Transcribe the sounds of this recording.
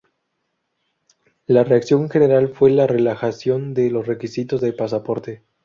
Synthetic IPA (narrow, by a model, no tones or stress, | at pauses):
lare̞aksjo̞ŋxe̞ne̞ɾalfwe̞lare̞laxasjo̞nd̪e̞lo̞sre̞kisit̪o̞zðe̞lpas̬apo̞ɾt̪e̞